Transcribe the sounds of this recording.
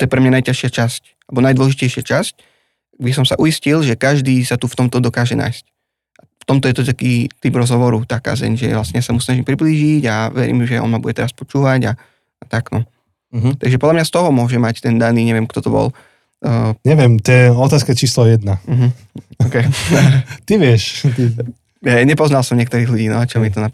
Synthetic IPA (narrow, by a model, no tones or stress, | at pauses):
t̪ɔjɛpɾɛmɲanajcaʃɪat͡ʃasc | alɛbɔnajd̪ʋɔlɛʒicɛjʃɪat͡ʃasc̚ | ɡd̪isɔmsaʔujiscilʒɛkaʒd̪iːsat̪uft̪ɔmt̪ɔd̪ɔkaːʒɛna̰ːjsc̚ | aft̪ɔmt̪ɔjɛt̪ɔt̪akiːt̪ibɾɔzɦɔʋɔɾut̪aka̰ːzɛ̰ɲʒɛ̰ʋlasɲɛjasamusnaʒimpɾibliːʒiɟaʋɛ̰ɾḭːmʒɛʔɔ̰nmabuɟɛt̪ɛɾaspɔt͡ʃuːʋaɟa | at̪aɡnɔ | t̪aɡʒɛpɔd̪lamɲast̪ɔɦɔmʊɔʒɛmact̪ɛnd̪aniːɲɛʋɪɛmkt̪ɔt̪ɔbɔ̰l | ɲɛʋɪɛmt̪ɛɔt̪aːskɛt͡ʃiːslɔjɛd̪nam̩ɦ̩ | ɔkɛ | t̪iʋɪɛʃ | jɛɲɛpɔznalsɔmɲɪɛkt̪ɔɾiːɦluɟiːnɔat͡ʃɔmit̪ɔna